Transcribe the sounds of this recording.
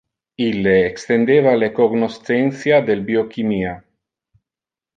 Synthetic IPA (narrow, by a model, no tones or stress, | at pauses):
ileːkst̪end̪eβalekoɡnost̪enθjad̪elbiokimia